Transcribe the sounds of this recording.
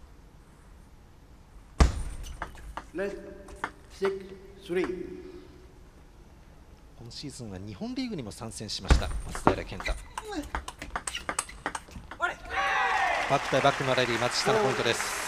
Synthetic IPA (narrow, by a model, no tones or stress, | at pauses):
le | siksɾi | ko̞noɕiːzɨ̃ɰ̃aɲ̟ihõ̞nɾʲiːɡɯ̟ɲ̟imo̞sãɰ̃sẽɕimaɕi̥t̪amat͡sɨ̥d̪aeɾakẽ̞nt̪a | b̥akːɯ̟̥t̪aibakːɯ̟noɾaɾʲimat͡sɨ̥ɕi̥t̪anopõnt̪o̞d̪e̞sɨ̥